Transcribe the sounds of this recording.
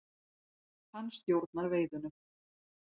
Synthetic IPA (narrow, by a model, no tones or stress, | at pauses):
hanːst̪jowɾt̪̚naɾveːjðʏnʏ